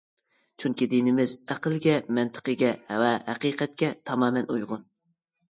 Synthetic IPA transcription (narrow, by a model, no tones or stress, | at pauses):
t͡ʃʰyŋkʲid̪inɪmɪzæqʰəlɡʲɛmɛnt̪ʰə̥qəɡʲɛwɛhæqiqʰɛt̪̚kʲɛt̪ʰɑmɑːmɛnujʁʊn